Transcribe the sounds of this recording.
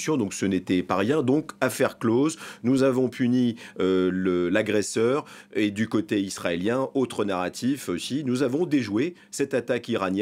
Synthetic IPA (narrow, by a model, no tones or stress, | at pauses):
sjɔ̃d̪ɔ̃ksənet̪ɛpaʁjɛ̃d̪ɔ̃kafɛʁkloznuzavɔ̃pʰyniøləlaɡʁɛsœːʁed̪ykot̪eisχaeljɛ̃ot̪χənaʁat̪ʰifosinuzavɔ̃d̪eʒwe | sɛt̪at̪akiʁanjɛ